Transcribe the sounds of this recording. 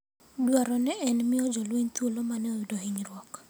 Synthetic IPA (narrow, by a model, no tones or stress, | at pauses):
dwaɾɔnɛɛnmɪɔd͡ʒɔlweɲt̪wolomanɛojudohiɲɾwɔk